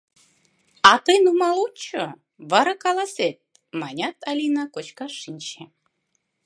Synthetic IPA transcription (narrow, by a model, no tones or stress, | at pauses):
ɑt̪ɤjnumɑlˠut͡ɕo | βɑɾɑkɑlˠɑset̪̚ | mɑnʲɑt̪ɑlʲinakot͡ɕkɑʃinʲt͡ɕe